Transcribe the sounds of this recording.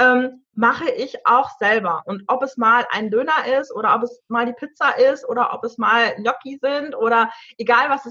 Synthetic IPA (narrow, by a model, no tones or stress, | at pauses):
ʔɛːm | maχəʔɪçʔa̰ʊxz̥ɛlbɐʔʊntʔɔpɛsmaːlʔa̰ɪndøːnɐʔɪstʔoːɾɐʔɔpɛsmaːldiːpʰɪt͡sɐʔɪstʔoːɾɐʔɔpɛsmaːlnɔkizɪntʔoːɾɐʔeɡaːlvasɛs